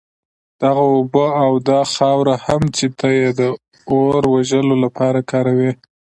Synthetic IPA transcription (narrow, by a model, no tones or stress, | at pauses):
d̪̥aɣaobəawd̪ɑxɑwɾahamt͡ʃet̪ajed̪ə | oɾwaʒəlolapʰɑɾakɑɾawi